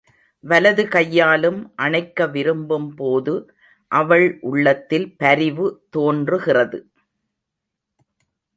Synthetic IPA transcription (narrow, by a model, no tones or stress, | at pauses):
ʋɐlɐðɯkɐjːaːlɯmʔɐɳɐɪkːɐʋɪɾɯmbɯmpoːðɯ | ʔɐʋɐɭʔʊɭːɐt̪ːɪlpɐɾɪʋɯt̪oːndrɯɣɪrɐðɯ